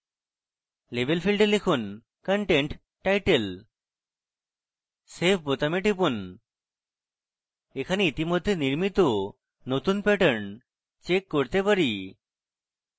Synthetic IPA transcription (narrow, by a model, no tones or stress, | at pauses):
lebʱelpʰilɖelekʰun | kəɳʈeɳʈ | ʈajʈel | sepʰbot̪ameʈipun | ekʰaneit̪imod̪ʱːeniɾmit̪o | not̪unpɛʈəɳ | t͡ʃekːoɾt̪epaɾi